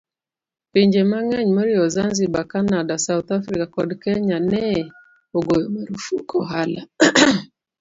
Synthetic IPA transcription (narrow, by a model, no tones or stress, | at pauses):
piɲd͡ʒemaŋaɲmɔɾiɔzanzibakanadasauθafɾikakɔdkɛɲanɛ | oɡojɔmeɾufukɔɦala